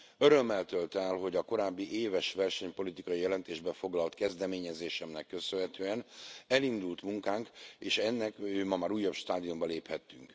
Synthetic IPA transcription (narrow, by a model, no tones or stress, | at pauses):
øɾø̞mːɛlt̪ølt̪ɛlɦo̞ɟɒko̞ɾaːbːiʔeːvɛʃʋɛrʃɛɲpo̞lit̪ikɒjijɛlɛnt̪eːʒbɛfo̞ɡlɒlt̪kɛzd̪ɛmeːɲɛzeːʃɛmnɛkːø̞sønɦɛt̪øːɛnɛlind̪ult̪muŋkaːŋkeːʃɛnːɛkøːmɒmaːɾuːjːɒpʃt̪aːd̪ijombɒleːphɛt̪ːyŋk